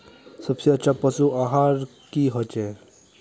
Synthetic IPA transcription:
səbseətːt͡ʃʰapəsuaɦaɾ | kiɦɔt͡ʃe

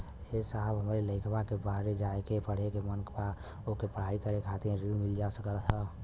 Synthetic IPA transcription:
esaɦəbɦəmɾeləɪkʰbakebaːɾed͡ʒaekepəɽ̤ekemənkpa | okepəɽ̤aɾikəɾekʰat̪iɾɾimɪld͡ʒasəkəlt̪ʰɦə

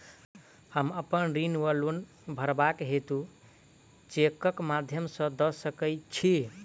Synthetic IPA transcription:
həməpənɾinʋəlun | bʱəɾbakɦet̪ũ | t͡ʃekəkmad̪ʱjəmsə̃d̪əsəkəjt͡ʃʰi

